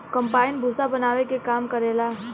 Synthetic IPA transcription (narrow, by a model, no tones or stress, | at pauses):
kɐ̃mpaːɪnbʱuːsabɐnaːʋekekaːmkɐɾeːlaː